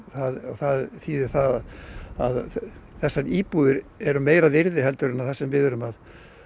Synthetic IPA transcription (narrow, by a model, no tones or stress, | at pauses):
θaðɔθaðθiːðɪɾ̥θað | aðθɛsːaniːpuðɪɾɛɾʏmeːjɾaðɪɾðɪɦɛlt̪ʏɾɪnːaθasɛmvɪðʏɾʏmað